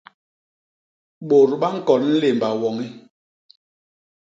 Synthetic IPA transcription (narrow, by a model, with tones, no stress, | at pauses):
ɓo˨ɾɓa˦ŋ̩˦kɔ˨nn̩˦le˨mba˨wɔ˨ŋi˦